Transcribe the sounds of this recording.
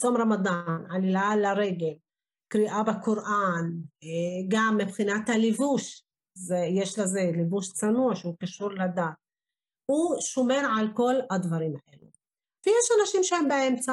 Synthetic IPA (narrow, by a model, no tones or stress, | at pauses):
t͡somɾamad̪analilalaɾe̞ɡel | kɾiʔabakoɾʔan | ɡamːibχinat̪halivuʃ | zejeʃlaze̞livuʃt͡sanuaʃeukaʃuɾlad̪at | uʃome̞ʁʕalko̞lad̪vaɾimaʔelu | vejeʃanaʃimʃehembaʔemt͡sa